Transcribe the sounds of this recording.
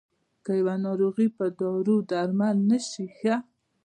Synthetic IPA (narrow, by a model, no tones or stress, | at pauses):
kajawanɑɾoɣipəd̪ɔɾud̪aɾmalnəʃixa